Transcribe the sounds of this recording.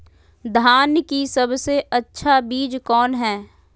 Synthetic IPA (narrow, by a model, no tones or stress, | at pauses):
d̪ʱaːnjkisɐbseʔɐtːʃʰabiːd͡ʒkɔːnɦɛː